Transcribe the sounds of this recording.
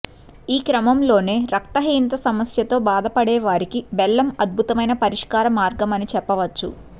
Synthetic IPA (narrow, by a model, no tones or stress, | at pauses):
iːkɾɐmɐmlo̞ːne̞ːɾɐk̚t̪ɐɦiːnt̪ɐsɐmɐsjɐt̪o̞ːbaːd̪ɐpɐɽɛːʋaːɾikibɛlːɐmɐd̪̚bʱut̪ɐmɐjnɐpɐɾiʂkaːɾɐmaːɾɡɐmɐnit͡ʃɛpːɐʋɐt͡ʃːṵ